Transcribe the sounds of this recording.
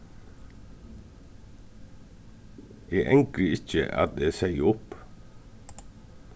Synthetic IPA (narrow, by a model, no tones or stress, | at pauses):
ʔeːʔɛŋkɾəɪc͡çə̰ʔɑ̰t̪̚d̪eːsæɪʊp